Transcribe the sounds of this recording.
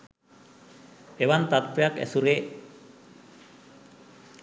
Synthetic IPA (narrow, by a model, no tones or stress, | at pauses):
eβant̪at̪̚peakḛsuɾɣe